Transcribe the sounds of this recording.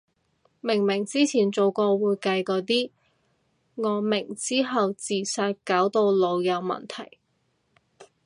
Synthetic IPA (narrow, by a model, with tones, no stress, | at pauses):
mɪ˨˩ŋmɪ˨˩ŋt͡siː˥t͡sʰiː˨˩nt͡so˨wkɔː˧wuː˨˧jkɐ˧jkɔː˨˥t̪̬iː˥ | ŋɔː˨˧mɪ˨˩ŋt͡siː˥ɦɐ˨wt͡siː˨saː˧t̚kaː˨˥wt̪o˧wlo˨˧wjɐ˨˧wmɐ̰˨nt̪ʰɐ˨˩j